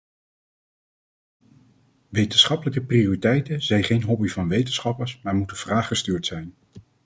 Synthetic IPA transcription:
ʋejtənsχɑpələkəprioritɛjtəzɛjnχejnɦɔbivɑnʋejtənsχɑpəɹsmaːɹmutənv̥raːχχəstyːɹtsɛjn

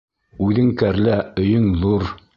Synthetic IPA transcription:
ʉðɘŋkæɾlæɵ̆jɵŋðuɾ

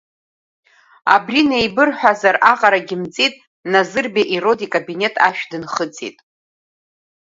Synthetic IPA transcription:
a̰brinejbɨrħʷᶣazaraqʼaɾaɡʲɪmt͡sʼitʼ | nazɨrbaʔiro̞dikʼabine̞tʼʰaʃᶣdɨnχət͡sʼḭtʼ

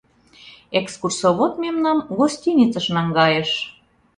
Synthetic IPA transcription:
ekskursoβot̪memnɑmɡosʲtʲinʲit͡səʃnɑŋɡɑjə̆ʃ

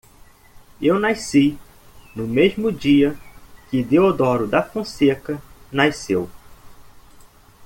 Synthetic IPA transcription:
ewnasi | nʊmezmʊd͡ʒiɐkɪd̪eod̪ɔɾʊd̪ɐfõsekɐnasew

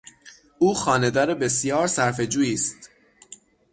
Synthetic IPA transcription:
ʔuːxɒːne̞d̪ɒːɾebe̞s̬jɒːɾsæɾfe̞d͡ʒuːjiːst̪

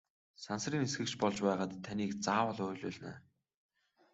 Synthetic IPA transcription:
sansriːnesɡɘ̆kt͡ɕpɔɮt͡ɕpæːʁaːt̪ʰːaniːkt͡saːwə̆ɮʊːɮʊːɮna̰ː

